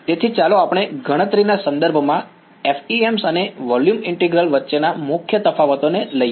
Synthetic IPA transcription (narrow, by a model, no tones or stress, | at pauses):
t̪et̪ʰit͡ʃaloapɽ̃eɡəɽ̃ət̪ɾinasə̃nd̪əɾbʱmã | efiemsəneʋɔljumɪɳʈeɡɾəlʋətːʃenamʊkʰjət̪əfʰaʋət̪oneləj